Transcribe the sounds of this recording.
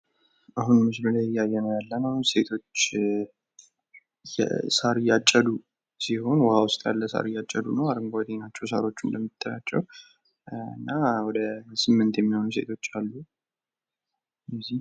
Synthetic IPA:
ʔaɦunmɨsbəlajɪjːajːɛnəjalːənəse̞t̪ʰo̞t͡ʃː | jɛ̰saɾjat͡ʃʼːəd̪u | siho̞nwəhawʊst̪ʼja̰lːəsa̰ɾjat͡ʃʼːəd̪unəwaɾɨŋɡat̪ʰenat͡ʃːɛwsaɾo̞t͡ʃːumləmːit̪ʰʼːəɾat͡ʃːɛ̰w | ɨ̰nːawɔd̪əsɨmːɨnt̪jɛmːiho̞nuse̞̰t̪ʰo̞t͡ʃːalːu | jɛzi

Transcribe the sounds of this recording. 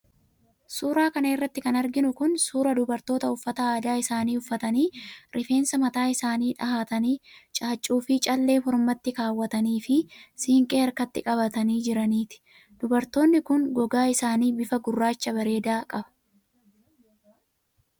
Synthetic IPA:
suːɾaːkɐnɐɪrːɐt̪ːɪkɐnɐɾɡɪnʊkʊnsuːɾɐd̪ʊbɐɾt̪o̞ːt̪ɐʊfːɐt̪ɐaːd̪aːɪsaːniːʊfːɐt̪ɐniːɾʔɪfe̞ːnsɐmɐt̪aːɪsaːniːᶑɐhaːt̪ɐniːt͡ʃʼaːt͡ʃʼːuːfɪt͡ʃʼɐlːe̞ːhɔɾmɐt̪ːɪkaːwːɐt̪ɐniːfɪsɪŋkʼe̞ːɐɾkɐt̪ːɪkʼɐβɐt̪ɐniːd͡ʒɪɾɐniːt̪ɪ̥ | d̪̥ʊbɐɾt̪o̞ːnːɪkʊŋɡɔɡaːɪsaːniːbɪfɐɡʊrːaːt͡ʃːɐbɐɾe̞ːd̪aːkʼɐbɐ̥

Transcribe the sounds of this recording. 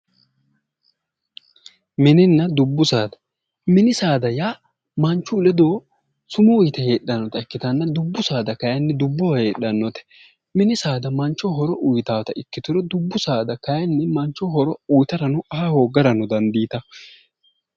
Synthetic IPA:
mɛnɪnːɐd̪ʊbːʊsaːd̪ɐ̥ | mɪnɪsaːd̪ɐjaː | mɐnt͡ʃːʊːlɛd̪oː | sʊmʊʊjt̪ɐhe̞ːɗːɐnːɔt̪ɐɛkːɪt̪ɐnːɐd̪ʊbːʊsaːd̪ɐkɐjɐnːɛd̪ʊbːɔwɐhe̞ːɗːɐnːɔt̪ɛ̥ | mɪnɪsaːd̪ɐmɐnt͡ʃːɔɦɔɾɔʔʊjt̪aːt̪ɐɪkːɪt̪ʊɾɔd̪ʊbːʊsaːd̪ɐkɐjɐnːɛmɐnt͡ʃːɔhɔɾɔujt̪ɐɾɐnʊʔɐɦahoːɡɐɾɐnʊd̪ɐnd̪iːt̪ɐ

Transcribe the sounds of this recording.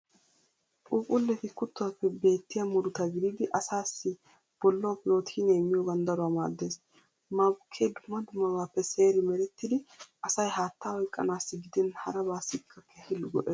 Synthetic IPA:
ʔuːpʼʊlːɛfɪkʊt̪ːɔwapːɛbe̞ːt̪ːɪjamʊd̪ʊt̪ɐɡɪd̪id̪ɪʔɐsaːsːɪ | b̥ɔlːɔwapɪɾo̞ːt̪ʰiːnɛɛmːɪjoːɡɐnd̪ɐɾʊwaːma̰ːd̪ːe̞ːs | mɐbʊkʰːeːd̪ʊmːɐd̪ʊmːɐbaːpːɛse̞ːɾɪmɛɾɛt̪ːɪd̪ɪʔɐsɐjɦaːt̪ːaːwɔjkʼːɐ̰naːsːɪɡɪd̪ɛnhɐɾɐbaːsːɪkʰːɐkʰːehɪlːʊɡɔʔeː

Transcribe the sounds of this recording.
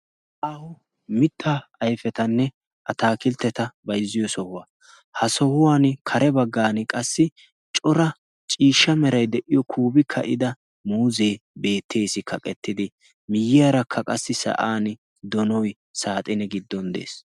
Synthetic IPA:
ʔɐhʊ | mɪt̪ʰːaːjfɛt̪ɐnːɛ | ʔɐt̪aːkɪlt̪ːɛt̪ɐbɐjzːɪjɔsɔhʊwaː | hɐsɔhʊwaːnkʰɐɾɛbɐɡːaːnɪkʼɐsːɪ | t͡ʃʼɔɾɐ | t͡ʃʼiːʃːɐmɛɾɐjd̪ɛʔɪjɔkʰuːbɪkʰːɐ̰ʔɪd̪ɐ | muːze̞ːbe̞ːt̪ʰːe̞ːsɪkʰɐkʼɛt̪ːɪd̪ɪ | mɪjːɪjaɾɐkʰːɐkʼɐsːɪsɐ̰ʔaːn | d̪ɔnɔj | saːt̪ʼɪnɛɡɪd̪ːɔnd̪ḛːs

